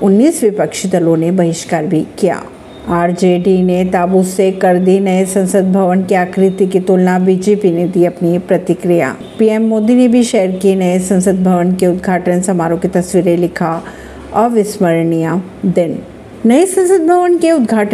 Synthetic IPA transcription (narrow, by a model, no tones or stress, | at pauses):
ʊnːiːsʋɪpəkʃd̪ɐlõnebɐɦɪʃkaːɾbʱikija̰ː | aːɾd͡ʒeɖinet̪aːbusekɐɾd̪inɐesɐ̃nsəd̪̚bʱɐʋənkeaːkɾɪt̪ikit̪oːlnabiːd͡ʒeːpined̪iɐpnipɾɐt̪ɪkɾija̰ː | piːeːmːoːd̪inebʱiʃɛɦɾkinɐjesɐ̃nsəd̪̚bʱɐʋənkeʊd̪ɡʱaːʈənsɐmaːɾõkit̪ɐsʋiːɾelɪkʰa | ɔːɾʋɪsməɾɳija | d̪ɪn | nɐesɐ̃nsəd̪̚bʱɐʋənkeʊd̪ɡʱaːʈ